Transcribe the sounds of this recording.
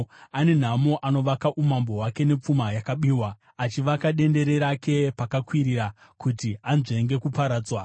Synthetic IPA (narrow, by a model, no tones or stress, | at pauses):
ane̞n̤amoʔano̞ʋakaʔumambo̞ɦwake̞ne̞p͡fumajakaɓiːwa | at͡ʃiʋakaɗe̞nde̞ɾe̞ɾake̞pakakwiɾiɾa | kutianʐeŋɡe̞kupaɾaːd͡zwa